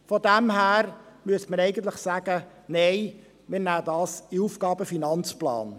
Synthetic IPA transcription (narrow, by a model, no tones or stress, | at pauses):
fɔd̪æmɦæːɾmyəsməɾɛɪɡən̩t̪ləχsæːɡ̥ə | neɪ | mɪːɾnæːd̪ɑːsɪuːfɡ̥ɑːbəfinɑnt͡splɑ̰ːn